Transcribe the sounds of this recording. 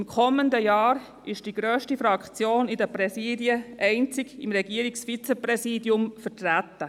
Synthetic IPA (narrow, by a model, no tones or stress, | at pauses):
mkʰɔməndəjɑːɾ | ʔɪʃd̥iɡ̥ɾœːʃtifɾɑkt͡sjoːnɪdəpɾɛsiːdiəʔɛɪnt͡sɪɡɪmɾɛɡiəɾiksfit͡sɛpɾɛsiːdjʊmfətɾæt̪ːə